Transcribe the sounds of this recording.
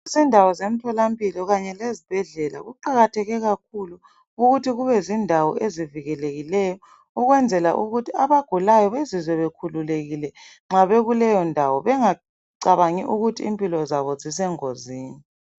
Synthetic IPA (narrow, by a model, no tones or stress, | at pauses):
zindʱawɔzem̩tʰɔlampʼilɔɣaɲɛlezib̥ʱɛɮɛla̰ɣuǃaɣatʰɛɣɛɣakʰuluː | ɣutʰiɣuβɛzindʱawɔ̰ʔeziviɣɛleɣilɛjɔ | uɣwɛnd͡zʱɛla̰ʔuɣutʰiaβaɡ̥ʱulajɔβezizwɛβekʰululeɣilɛŋ͡ǁaβeɣulɛjɔndʱawɔβɛŋa | ǀaβaŋḭʔuɣutʰiimpʼilɔzaβɔzis̬ɛŋoziːni